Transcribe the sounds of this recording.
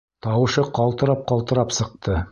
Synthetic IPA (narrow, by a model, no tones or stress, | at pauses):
t̪ʰɑwəʃɤqʰɑlˠt̪əɾɑp̚qʰɑlˠt̪əɾɑpsəq̚t̪ə